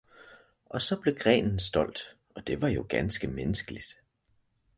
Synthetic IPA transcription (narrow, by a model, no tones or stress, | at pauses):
ʔɒ̽sɒ̽b̥le̝ɡ̥ʁɛ̰ːnn̩sd̥ɒ̽l̰d̥ | ʔɒ̽d̥e̝ʋɑ̈jo̝ɡ̥ænsɡ̥əmenəsɡ̥əlid̥